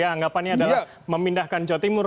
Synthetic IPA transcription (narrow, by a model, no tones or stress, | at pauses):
aːŋɡapanɲaandala | məmindahkand͡ʒɔt̪imʊr